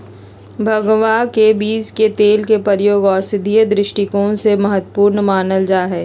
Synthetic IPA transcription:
bʱɐɡʋakebiːzket̪eːlkepəɾjoːɡɔːsɪd̪ʱijəd̪ɾɪʃʈɪkõsemɐɦət̪wpuːɾnəmaːnəld͡ʒaːɦɛː

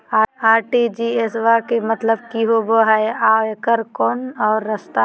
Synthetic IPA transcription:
aːaːɾʈid͡ʒiːesʋakemət̪ləb̚kiɦoboɦaeaːekəɾkɔːnɔːɾːəst̪a

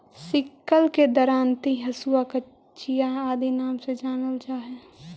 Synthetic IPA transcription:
sɪkːəlked̪əɾaːnt̪iɦɐsuakə | t͡ʃijaaːd̪inaːmsed͡ʒaːnəld͡ʒaːɦɛ

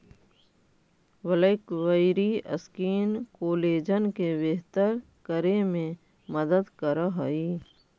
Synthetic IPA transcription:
wələkʋəɪɾiɐ̰skiːnkoːleːd͡ʒənkebeɦt̪əɾ | kəɾemẽ | məd̪əd̪kəɾaɦəiː

